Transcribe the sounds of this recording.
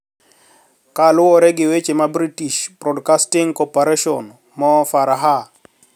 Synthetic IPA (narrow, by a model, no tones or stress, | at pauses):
kalʊɔɾɛɡɪwet͡ʃemabɾitiʃbɾɔdkastiŋkɔpaɾeʃɔn | mɔfaɾaɦa